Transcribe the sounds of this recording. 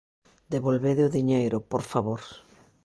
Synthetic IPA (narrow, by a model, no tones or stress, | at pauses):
d̪eβolβeðɪʊðiɲejɾʊpoɾfaβoɾ